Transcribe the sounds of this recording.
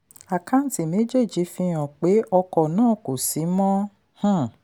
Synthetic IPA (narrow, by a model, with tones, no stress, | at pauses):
a˨kã˦n̩˦ti˨me˨˦d͡ʒe˦˨d͡ʒi˨˦fĩ˧ɔ̃˨k͡pe˨˦ʔɔ˧kɔ˨nãː˦˨ko˨si˨˦mɔ̃˦ | h̩˦˨